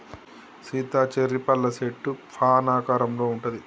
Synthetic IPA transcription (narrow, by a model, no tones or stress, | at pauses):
siːt̪aːt͡ʃeɾːipɐlːɐseʈːupʰaːnaːkaːɾɐmlo̞ːuɳʈɐd̪i